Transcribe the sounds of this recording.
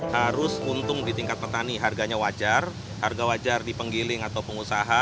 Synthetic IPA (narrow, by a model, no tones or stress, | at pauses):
haɾʊsunt̪ʊŋdit̪iŋkat̪̚pət̪aniɦarɡaɲawad͡ʒar | harɡawad͡ʒardipəŋɡilɪŋat̪awpəŋusaɦa